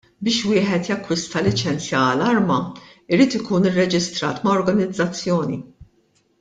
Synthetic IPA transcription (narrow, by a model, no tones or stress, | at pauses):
bɪːʃwɪːħɛt̪jɐkːwɪst̪ɐlɪt͡ʃɛnt͡sjɐɐlɐɾmɐɪɾiːt̪ɪkuːnɪrːɛd͡ʒɪst̪ɾɐ̰ːt̪mɐɔɾɡɐnɪd͡zːɐt͡sːjɔːnḭ